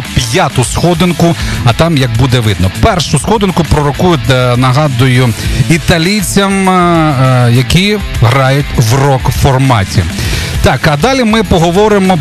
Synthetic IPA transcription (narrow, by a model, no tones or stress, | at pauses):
pʲjat̪ʊsxɔd̪ɪnkʊɐt̪ɑmjɐɡ̚bud̪ɛʋɪd̪nɔpɛrʃʊsxɔd̪ɪnkʊpɾɔɾɔkujʊnɐɦɑd̪ʊjʊit̪ɐlʲijt͡sʲɐm | jɐkʲiɦɾɑjʊtʲʋrɔkfɔrmɑtʲḭ | t̪ɑkɐd̪ɑlʲimɪpɔɦɔʋɔɾɪmɔ